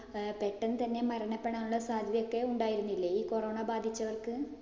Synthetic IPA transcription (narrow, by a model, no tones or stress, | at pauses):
peʈːɐnːt̪ɐnːe̞mɐɾɐɳɐpːeɳaːnuɭːɐsaːd̪ʱɐðijo̞kːe̞uɳɖaːjiɾunːilːɐiːko̞ro̞ːɳɐbaːd̪ʱit͡ɕːɐʋɐrkɨ